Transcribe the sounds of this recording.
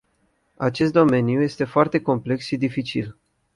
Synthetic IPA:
at͡ʃe̞st̪d̪o̞me̞nijuje̞st̪e̞foart̪e̞ko̞mple̞ksʃid̪ifit͡ʃḭl

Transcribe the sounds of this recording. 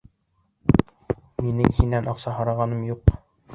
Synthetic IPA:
minɘŋhinænʔɑqsɑɦɑɾɑʁɑnɤmjuq

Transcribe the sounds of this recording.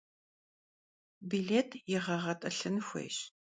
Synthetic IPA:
biːɮeːtʰjɪʁɐʁɐtʼɐɬɨnxʷḛːɕ

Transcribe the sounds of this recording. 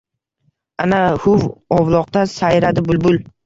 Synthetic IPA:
anahʊvɒvlˠɒq̚t̪asajɾad̪ɪbʊlbʊl

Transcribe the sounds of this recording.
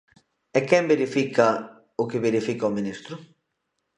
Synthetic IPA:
ɛkɛmbeɾifikɐ | ʊkɪβeɾifikɐominist̪ɾʊ

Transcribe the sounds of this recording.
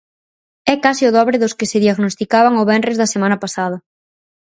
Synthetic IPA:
ɛkasiʊðɔβɾɪðʊskɪsɪðjaɣnost̪ikaβaŋʊβɛnrezðɐsemãnɐpasað̞ɐ

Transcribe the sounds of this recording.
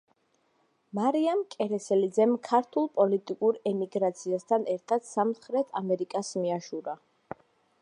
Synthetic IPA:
maɾiamkʼɛɾɛsɛlid̪zɛmkʰaɾt̪ʰulˠpʼɔlit̪ʼikʼuɾɛmiɡɾat̪sʰiast̪ʰanɛɾt̪ʰat̪samχɾɛt̪ʰamɛɾikʼasmiaʃuɾa

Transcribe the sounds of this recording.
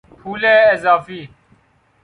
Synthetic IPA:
pʰuːleːɪzaːfiː

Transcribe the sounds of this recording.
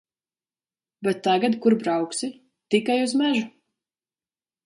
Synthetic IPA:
bɛt̪ːaɡad̪kuɾbɾawksi | t̪ikajuzmæʒu

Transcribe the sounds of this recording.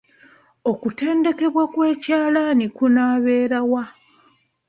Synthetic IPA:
o̞kute̞ːnde̞ke̞βwakwe̞ːcaːlanikunaːβe̞ːɾawa

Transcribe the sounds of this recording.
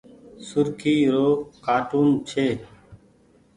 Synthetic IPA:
sʊɾkʰiːɾoːkaːʈuːnt͡ʃʰeː

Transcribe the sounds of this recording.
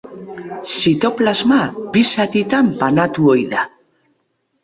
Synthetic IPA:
sit̪o̞plazmaβisat̪it̪ampanat̪uojða

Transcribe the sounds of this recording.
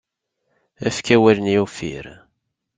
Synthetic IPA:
æ̰fkæwælnjufḭɾ

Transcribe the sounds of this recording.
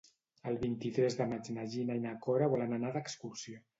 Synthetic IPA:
əlˠβint̪it̪ɾɛzðəmat͡ʃnaʒinainakɔɾaβɔlənanaðəkskursio

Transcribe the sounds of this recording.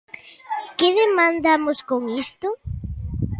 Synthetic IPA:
kɪðemãnd̪amʊskoŋist̪ʊ

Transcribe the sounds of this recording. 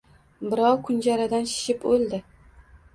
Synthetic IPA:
bɪɾɒwkʰʊnd͡ʒaɾad̪anʃɪ̥ʃɪpolˠd̪ɪ

